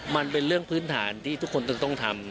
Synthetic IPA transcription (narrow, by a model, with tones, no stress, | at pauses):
ma˧npe˧nɾɯ˥˩əŋpʰɯː˦˥nt̪ʰaː˩˦nt̪ʰiː˥˩t̪ʰu˦˥kʰːo˧nt̪a˧˩t̪ɔ˥˩ŋt̪ʰa˧m